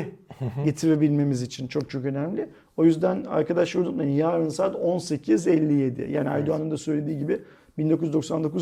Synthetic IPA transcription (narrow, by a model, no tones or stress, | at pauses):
ɟe̞t̪ʰiɾe̞bilʲme̞mizit͡ʃʰint͡ʃʰo̞k̚t͡ʃʰo̞kø̞næmlʲɪ | o̞jyzd̪æna̰ɾkad̪aʃlˠaɾd̪unlˠaɾɯnjaːɾɯnsaːt̪o̞nse̞cʰizɛlʲːije̞d̪ɪ̰ja̰ːnʲia̰jd̪uanɯnd̪asø̞jlʲe̞d̪iːɟibɪ | b̥ind̪okujyzd̪o̞ksand̪o̞ku